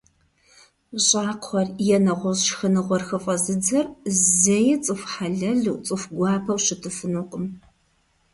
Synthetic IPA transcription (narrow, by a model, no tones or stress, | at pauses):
ɕʼaːqχʷɐrjɛnɐʁʷɔzʃxɐnɨʁʷɔrxɨfʼɐzɨd͡zɐrzɐjɪt͡sʼɨfħaɮɐɮuwt͡sʼɨfɡʷɑːpʰɐwɕɪtʰɨfɨnuqʼəm